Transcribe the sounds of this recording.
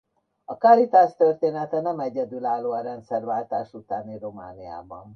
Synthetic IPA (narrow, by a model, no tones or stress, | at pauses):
ɒkalit̪aːst̪ørt̪eːnɛt̪ɛnɛmɛɟɛd̪ylaːlːoːɒɾɛnt̪sɛrvaːlt̪aːʃut̪aːniro̞ma̰ːnia̰ːbɒ̰n